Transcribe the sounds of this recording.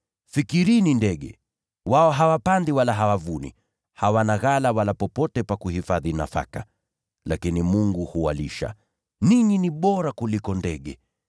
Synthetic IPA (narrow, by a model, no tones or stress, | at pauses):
fikiɾinindɛɠɛ̰ | waɔɦawapandiwalaɦawavunḭ | hawanaɣalawalapɔpɔtɛpakuhifaðina̰fa̰ka | lakinimuŋɡuhuwa̰liʃa̰ | niɲiniɓɔɾakulikɔndɛɠɛ